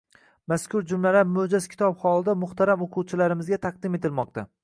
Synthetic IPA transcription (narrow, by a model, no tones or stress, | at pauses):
maskʲʰʊɾd͡ʒʊmlaɾamɵd͡ʒaz̥kʲʰɪ̥t̪ʰɒbhɒlˠɪd̪amʊht̪ʰaɾamoqʰuwt͡ʃʰɪlaɾɪmɪzɡʲat̪ʰɑq̚d̪ɪme̞t̪ʰɪlmɒq̚t̪ʰa